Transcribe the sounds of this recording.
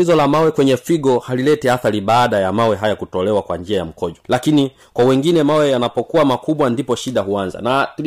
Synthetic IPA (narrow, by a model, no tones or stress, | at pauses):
izɔlamawɛkwɛɲɛfiɠɔhalilɛtɛaθaɾiɓaːɗajamawɛɦajakutɔlɛwakwand͡ʒiajam̩kɔʄɔlakini | kwawɛŋɡinɛmawɛjanapɔkuamakuɓwandipɔʃiɗaɦuanza̰na